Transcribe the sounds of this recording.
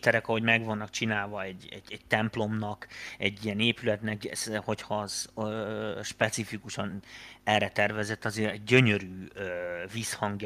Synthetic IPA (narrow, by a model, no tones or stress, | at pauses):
t̪ɛɾɛkɒɦo̞ɟmɛɡʋɒnːɒkt͡ʃinaːlvɒɛɟːɛ̰ɟɛɟ̥̚t̪ɛmplo̞mnɒkɛɟːijɛneːpylɛt̪nɛksho̞chɒz̥ | ʃpɛt̪sifikuʃɒnɛrːɛt̪ɛrvɛzɛt̪ːɒzeːɾɛɟːø̞ɲø̞ɾyːøviːshɒŋɡj